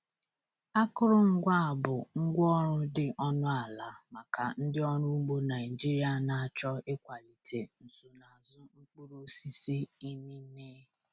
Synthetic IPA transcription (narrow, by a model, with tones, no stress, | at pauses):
a˦kʊ˦ɾʊ˦ŋ̩˦ɡʷa˦a˨bʊ˨ŋ̩˦ɡʷɔ˦ɾʊ˦dɪ˨ʔɔ˦nʊ˦a˨la˨ma˨ka˨n̩˦dɪ˦ɔ˦ɾʊ˦ɡ͡bu˦na˨ɪ˨d͡ʒi˦ɾi˦a˨na˨a˨t͡ʃɔ˦e˦kʷa˨li˨tʰe˨n̩˨zu˨na˨zʊ˦ŋ͡m̩˦k͡pu˦ɾo˦si˦si˦i˦ni˦neː˦